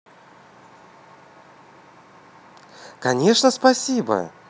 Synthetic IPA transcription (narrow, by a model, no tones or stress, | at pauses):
kɐnʲe̞ʂnəspɐsʲibə̰